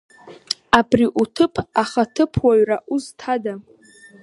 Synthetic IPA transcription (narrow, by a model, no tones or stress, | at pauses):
abriʔutʰɨpʰaχatʰɨpʰwaɥraʔuztʰada